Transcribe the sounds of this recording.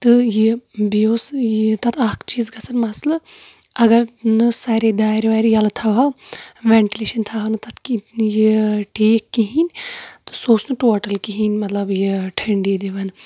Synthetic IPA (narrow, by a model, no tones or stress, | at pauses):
t̪ɨjibioːsjit̪ɐt̪ʰakʰt͡ʃiːzɡɐsɐnmɐslɐ | ɐɡɐɾnɨsaːɾed̪aːjɾʋaːɾjɐlt̪ʰaʋaʋɛɳʈileːʃɐnt̪ʰaːɐnɨt̪ɐt̪kijiʈeːkːiɦinʲt̪ɨ̥soːsnɨʈoːʈɐlkiɦinʲmɐt̪lɐbjiʈʰɐɳɖiːd̪iʋɐn